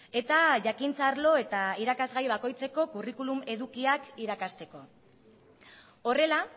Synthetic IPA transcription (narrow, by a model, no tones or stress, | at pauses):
e̞t̪aʝakint͡saɾlo̞e̞t̪aiɾakazɣajβ̞ako̞jt͡se̞ko̞kurikulume̞ðukiakiɾakast̪e̞ko̞ | o̞re̞la